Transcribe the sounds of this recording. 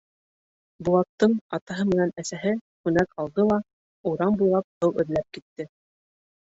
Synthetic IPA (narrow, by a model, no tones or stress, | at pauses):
bulˠɑt̪ːɤɴɑt̪ɑɦɤmɘ̆nænæsæɦɘχʉnækɑlˠd̪ɤlˠɑ | uɾɑmbujlˠɑp̚hɤwɘ̆ðlæp̚kit̪ːɘ